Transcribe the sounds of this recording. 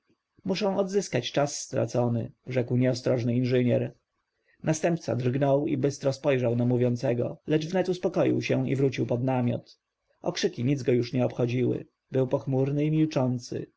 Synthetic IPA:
muʂɛ̃w̃ɔd̪zɘskat͡ɕt͡ʂasːt̪ɾa̰t̪sɔnɘ̰ʐɛkwɲɛɔst̪ɾɔʐnɘinʐɘɲɛɾ | nast̪ɛmpt̪sa̰d̪rɡnɔwḭbɘst̪ɾɔspɔjʐawnamuvʲjɔnt̪sɛɡɔ̰lɛʐvnɛt̪uspɔkɔjḭwɕɛḭvɾut͡ɕiwpɔd̪namʲjɔ̰t̪ | ɔ̰kʂɘkʲiɲid̪zɡɔjuʂɲɛɔpxɔd͡ʑiwɘ̰ | bɘwpɔxmuɾnɘimʲilt͡ʂɔnt̪sɘ̰

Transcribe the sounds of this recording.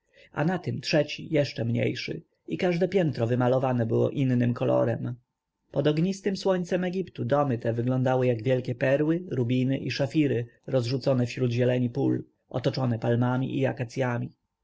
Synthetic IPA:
a̰nat̪ɘmtʂɛt͡ɕḭjɛʂt͡ʂɛmɲḛjʂɘ̰ | ikaʐd̪ɛpʲjɛnt̪ɾɔvɘmalɔvanɛbɘwɔ̰ʔinːɘmkɔlɔ̰ɾɛ̰m | pɔd̪ɔɡɲist̪ɘmswɔɲt̪sɛmɛɡʲipt̪ud̪ɔmɘt̪ɛvɘɡlɔ̃nd̪awɘjaɡvʲjɛlkʲɛpɛɾwɘɾubʲinɘʔiʂafʲiɾɘɾɔzʐut̪sɔnɛfɕɾud̪ʑɛlɛɲipul | ʔɔ̰t̪ɔt͡ʂɔnɛpalmamʲḭʔiakat̪sʲjamʲi

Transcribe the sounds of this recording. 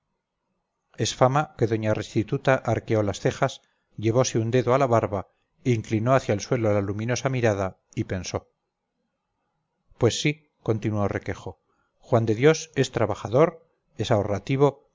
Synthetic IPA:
e̞sfamake̞ðo̞ɲare̞st̪it̪ut̪aʔaɾkeo̞lasθe̞xas | ʝe̞β̞o̞seund̪e̞ðoalaβaɾβa | eːŋklino̞aθjaelswe̞lolalumĩno̞samiɾaða | ipenso̞ | pwe̞sːi | ko̞nt̪inuore̞ke̞xo̞ | xwand̪e̞ðjo̞se̞st̪ɾaβaχaðo̞ɾ | e̞saorat̪iβ̞o̞

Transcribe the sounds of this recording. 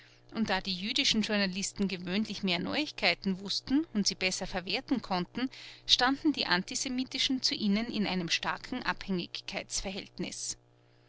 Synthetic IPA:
ʔʊntd̥aːdiːjyːdɪʃn̩ʒʊɐnalɪstn̩ɡevøːnlɪçmeːɐnɔ̰ʏɪçkʰaɪtn̩vʊstn̩ʊntz̥iːb̥ɛsɐfɛɐveːɐtn̩kʰɔntn̩ʃtandn̩diːʔantizemiːtɪʃn̩t͡suʔiːnənɪnʔa̰ɪnəmʃtaɐkʰŋ̩ʔa̰phɛŋɪ̰çkʰːaɪt͡sfɛɐɦɛltnɪ̰s

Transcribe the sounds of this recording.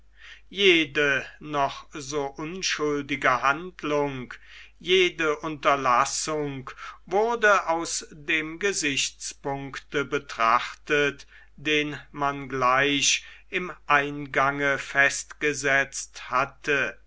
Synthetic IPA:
jeːdənɔχzoːʔʊnʃʊldɪɡəɦantlʊŋk | jeːdəʔʊntɐlasʊŋkvʊʁdəaʊsdeːmɡəzɪçt͡spʊŋktəbətʁ̥aχtət | d̥eːnmanɡlaɪʃʔɪmʔaɪnɡaŋəfɛstɡ̥əzɛt͡sthatə

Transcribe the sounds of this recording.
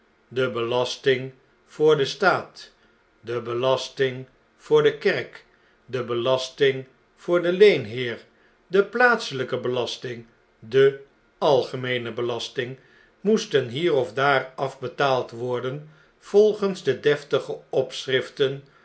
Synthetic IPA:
dəbəlɑstɪŋ | v̥ʊːɹdəstaːt | dəbəlɑstɪŋ | v̥ʊːɹdəkɛrk | dəbəlɑstɪŋ | v̥ʊːɹdəlejnɦɪːɹ | dəplaːtsələkəbəlɑstɪŋ | də | ɑlˠχəmejnəbəlɑstɪŋ | mustənɦiːrɔvdaːrɑvbətaːlˠtʋɔɹdən | v̥ɔlˠχənzdədɛftəχəɔpsrɪftən

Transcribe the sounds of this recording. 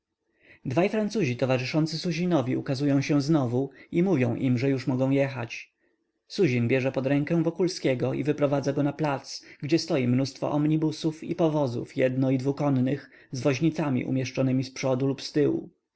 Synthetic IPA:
d̪vajfɾantsuʑit̪ɔvaʐɘʂɔnt̪sɘsuʑinɔvʲjiukazujɔ̃w̃ɕɛ̃znɔvuimuvʲjɔ̃w̃ʔimʐɛjuʂmɔɡɔ̃w̃jɛxa̰t͡ɕ | suʑinbʲjɛʐɛpɔd̪ɾɛŋkɛ̃vɔkulskʲɛɡɔḭvɘpɾɔvad̪zaɡɔnaplat̪sɡd͡ʑɛst̪ɔjimnust̪fɔ̰ʔɔmɲibusufḭpɔvɔzṵfjɛd̪nɔid̪vukɔnnɘx | zvɔʑɲit̪samʲḭʔṵmʲjɛʂt͡ʂɔnɘmʲispʂɔd̪ulupst̪ɘwṵ

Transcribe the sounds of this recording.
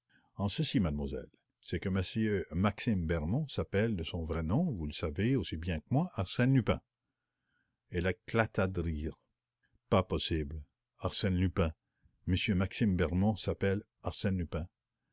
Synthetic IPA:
ɑ̃səsimad̪mwazɛ̰l | sɛkəməsjømaksimbɛʁmɔ̃sapɛld̪əsɔ̃vʁɛnɔ̃vuləsaveosibjɛ̃kəmwaʔaʁsɛnlypɛ̰̃ | ɛleklat̪ad̪əʁiːʁ | papɔsibl | aʁsɛ̃nlypɛ̃ | məsjømaksimbɛʁmɔ̃sapɛl | aʁsɛ̃nlypɛ̃

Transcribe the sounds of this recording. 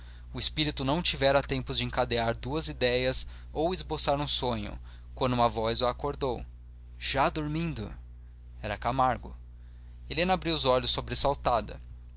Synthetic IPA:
ʊɪspiɾit̪ʊnɐ̃w̃t͡ʃivɛɾɐt̪ẽmpʊzd͡ʒɪẽŋkad̪eaɾd̪uɐzid̪ɛjɐz | owɪzbosaɾũsõɲʊ̰ | kwɐ̃nd̪uũmɐvɔzʊakoɾd̪ow | ʒ̥ad̪oɾmĩnd̪ʊ | ɛɾɐkamaɾɡʊ | elẽnɐabɾiwʊzɔʎʊsːobɾesawt̪ad̪ɐ̰

